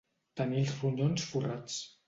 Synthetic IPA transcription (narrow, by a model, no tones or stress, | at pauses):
t̪ənilˠzruʎonsfurat͡s